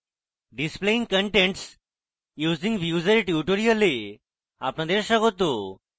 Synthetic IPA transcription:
ɖispleĩŋɡkəɳʈẽɳʈs | juːzĩŋɡʋjuːzəɾʈjuʈoɾijəlːi | a̰pɳad̪eɾɕakɦot̪o

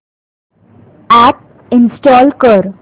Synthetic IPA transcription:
æʈ̚ | ɪ̃nsʈɔːlkəɾ

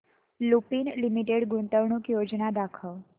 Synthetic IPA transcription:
lupinlimiʈeɽɡunt̪əʋɳũkjod͡ʒnad̪akʰəʋ

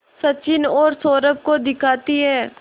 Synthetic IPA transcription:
sɐt͡ʃɪnɔːɾsoːɾəb̚kod̪ɪkʰaːt̪iɦɛː

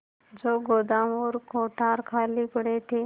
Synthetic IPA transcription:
d͡ʒoːɡoːd̪aːmoːɾkoːʈaːɾkʰaːliːpəɽet̪ʰeː

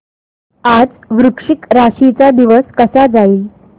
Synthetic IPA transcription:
ad͡z | ʋɾukʂikɾaɕit͡sad̪iʋəskəsad͡zaiːl

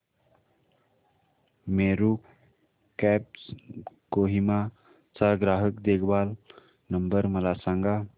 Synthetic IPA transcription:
meːɾu | kɛpskoɦima | t͡saɡɾaːɦəkd̪eːɡʰbaːl | nəmbəɾməlaːsãŋɡa

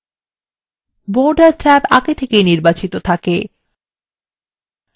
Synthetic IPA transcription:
boɾɖaɾt͡ɕɛpa̰ɡet̪ʰekejniɾbat͡ɕit̪ot̪ʰake

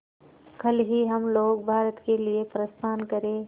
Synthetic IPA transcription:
kʰɐlɦiɦɐmloːɡ̚bʱaːɾət̪keliepɾɐst̪ʰaːnkɐɾẽː

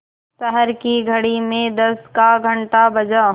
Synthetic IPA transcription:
ʃɛɦɛɾkiɡʱɐɽimẽd̪ɐskaɡʱɐ̃ɳʈabɐd͡ʒa

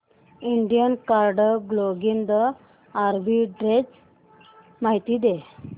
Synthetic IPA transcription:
iɳɖijənkaɾɖəɡloɡind̪ə | aɾbiɖɾed͡z | maɦit̪iːd̪e

